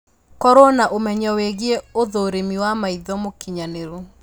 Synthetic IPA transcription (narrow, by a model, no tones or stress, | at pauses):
kɔɾonaʔomɛɲɛweɣieoðoːɾemiwamaiðɔmokiɲaneɾo